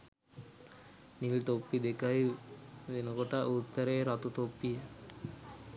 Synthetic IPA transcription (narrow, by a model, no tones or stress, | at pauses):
nilt̪opːid̪ekajd̪enoɡoʈaʔut̪ːaɾeɾɔt̪ot̪opːije